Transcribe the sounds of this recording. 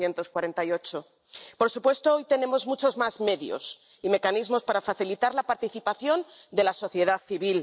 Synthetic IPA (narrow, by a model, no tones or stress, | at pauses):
je̞nt̪o̞skwaɾe̞nt̪ajo̞t͡ʃo̞ | po̞ɾsupwe̞st̪oojt̪e̞ne̞mo̞zmut͡ʃo̞zmazme̞ðjo̞̰sime̞kanizmo̞spaɾafaθilit̪aɾlapaɾt̪iθipaθjo̞nd̪e̞laso̞θje̞ð̞aθiβil